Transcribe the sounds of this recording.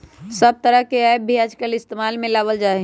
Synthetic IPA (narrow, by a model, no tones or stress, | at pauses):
səb̚t̪əɾəɦkeaːebʱiaːd͡ʒkəlɪst̪emaːlmẽlaːʋəld͡ʒaːe